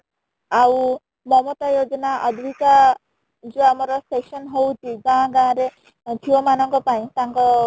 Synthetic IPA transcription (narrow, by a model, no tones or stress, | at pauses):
aw | mɔmɔt̪ajod͡ʒɔnaʔɔd̪ʱwika | d͡ʒuamɔɾɔsesɔnɦowt̪ʰiɡãɡãːɾe | d̪ʱiɔmanɔŋkɔpaĩt̪aŋkɔ